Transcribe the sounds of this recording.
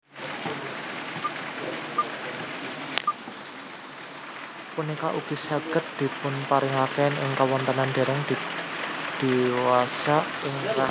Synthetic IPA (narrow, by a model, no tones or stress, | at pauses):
punikaʔuɡ̥isaɡ̥ət̪̚d̪̥i̤pʊnpaɾɪŋakɛnɪ̰ŋkawɔnt̪ənand̪̥e̤ɾɛŋd̪̥i | d̪̥i̤wasa | ɪŋka